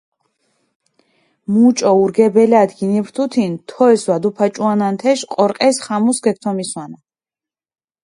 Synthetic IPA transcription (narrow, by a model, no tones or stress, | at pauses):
mut͡ʃʼɔuɾɡɛbɛlad̪ɡinipɾt̪ʰut̪ʰint̪ʰɔɛswad̪upʰat͡ʃʼuanant̪ʰɛʃqʼɔɾqʼɛsχamusɡɛk̚t̪ʰɔmiswana